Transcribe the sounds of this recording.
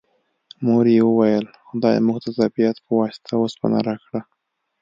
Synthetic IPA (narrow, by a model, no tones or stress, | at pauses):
moɾjewəwajəlxʊd̪ɑjḛmuɣd̪əzabijat̪pəwɑsɪ̥t̪ʰawospa̰na̰ɾakɽa